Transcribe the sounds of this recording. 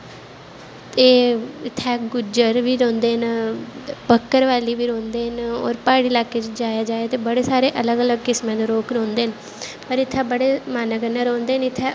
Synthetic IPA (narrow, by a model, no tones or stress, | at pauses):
t̪eːɪt̪ʰːɛːɡʊd͡ʒəɾʋiːɾɔ̃ːnd̪eːn | pəkːəɾʋaːliːʋiːɾõːnd̪eːɦno̰ːɾpaːɽiːlaːkeːt͡ʃd͡ʒaːjaːd͡ʒaːeːt̪eːbəɽeːsaːɾeːʔələɡələɡkɪsmɛ̃ːd̪oːɾoːkɾõːnd̪eːn | pəɾɪt̪ʰːɛːbəɽeːmaːnəkənːaːɾõːnd̪eːnɪt̪ʰːeː